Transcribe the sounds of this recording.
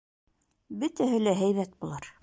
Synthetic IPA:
bɵt̪æɦɘlæɦæjβæt̪̚bulˠɑɾ

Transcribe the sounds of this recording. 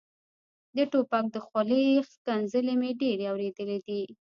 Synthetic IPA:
d̪əʈopak̚d̪əxwaləxk̪anzəlemeɖeɾeawɾed̪əled̪i

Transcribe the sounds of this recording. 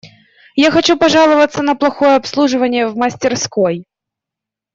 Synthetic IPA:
jaxɐt͡ɕupɐʐɑlˠəvət̪sːənəplˠɐxojəɐpslˠuʐɨvənʲɪjəvməsʲtʲɪrskoj

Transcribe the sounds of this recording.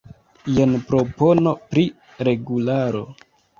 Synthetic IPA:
jenpɾo̞po̞no̞pɾi | ɾe̞ɡulaɾo̞̰

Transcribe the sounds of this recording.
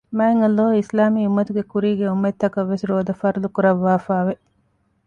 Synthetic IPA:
maːeŋɐlːoːislaːmiːumːɐt̪uɡekuɾiːɡeumːet̪ːɐkɐʋːesiɾoːd̪ɐfɐɾulukuɾɐʋːaːfaːʋe

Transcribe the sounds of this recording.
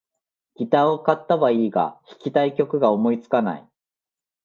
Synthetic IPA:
ɡ̥ʲit̪aːo̞kat̪ːaβaiːɡa̰çi̥kʲit̪aikʲo̞kɯ̟ɡao̞mo̞it͡sɨ̥kana̰ḭ

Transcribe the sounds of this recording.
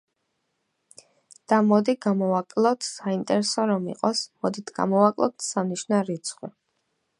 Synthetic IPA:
d̪̥amɔd̪iɡamɔvakʼlˠɔt̪ʰsaint̪ʼɛɾɛsɔɾɔmḭqʼɔsmɔd̪it̪ʰɡ̥a̰mɔvakʼlˠɔ̰t̪ʰsamniʃnaɾit̪sʰχwi

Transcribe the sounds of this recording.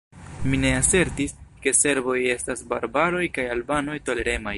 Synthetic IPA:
mine̞ase̞ɾtiske̞se̞ɾbo̞je̞stasbaɾbaɾo̞jkajalbano̞jto̞le̞ɾe̞maj

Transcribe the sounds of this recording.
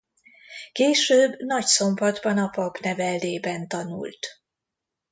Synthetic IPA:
keːʃøːbnɒcso̞mbɒd̪bɒnɒpɒbnɛvɛlːeːbɛnt̪ɒnṵlt̪

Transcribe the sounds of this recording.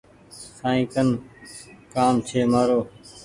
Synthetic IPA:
sãːĩːkən | kaːmt͡ʃʰeːmaːɾoː

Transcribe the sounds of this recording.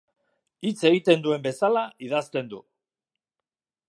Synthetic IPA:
it͡se̞ɣit̪e̞nd̪ue̞mbe̞salaiðast̪e̞nd̪ṵ

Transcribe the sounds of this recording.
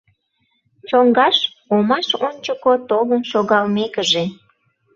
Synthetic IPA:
t͡ɕoŋɡɑʃ | omɑʃonʲt͡ɕəkot̪oβənʃoɣɑlmekəʒe

